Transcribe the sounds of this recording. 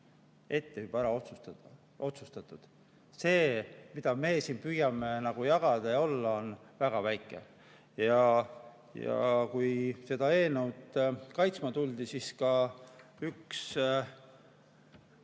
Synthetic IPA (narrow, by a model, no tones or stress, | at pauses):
e̞t̪ːehybæɾɑot̪sut̪ | o̞t̪sust̪ɑt̪ːˑud̪̥ | se̞ːmid̪̥ɑme̞ːsiːnpyjɑmenɑɡ̥ujɑɡ̥ɑd̪̥ɑjɑo̞lːɑo̞nvæɡ̥ɑvæjkˑːe̞̰ | jɑ | jɑ̰kujse̞d̪ɑe̞ːnuwt̪kɑjt̪smɑt̪uld̪̥isiskɑ | yks